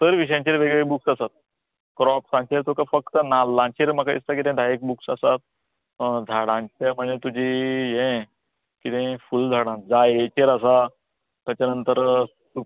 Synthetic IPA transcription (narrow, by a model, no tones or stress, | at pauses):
t̪əɾʋiɕ̬jãɲt͡ɕeɾʋeɡɭebuksasat̪̚ | kɾɔpsãnt͡ɕeɾt̪ʰokafək̚t̪ənalːãɲt͡ɕeɾm̤akaḭst̪ak̬it̪ɛ̃d̪ʱajek̚buksasat̪̚ | d͡zʱaɽãt͡ɕem̤əɳet̪ud͡ʑʱijẽ | kit̪ẽfuld͡zʱaɽãn̚d͡zaet͡ɕeɾas̬a | t̪jat͡ɕanənt̪əɾ | u